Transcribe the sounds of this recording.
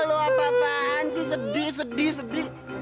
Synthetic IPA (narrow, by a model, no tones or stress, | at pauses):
loapakaːnsɪhs̬ədɪhs̬ədɪhsədɪh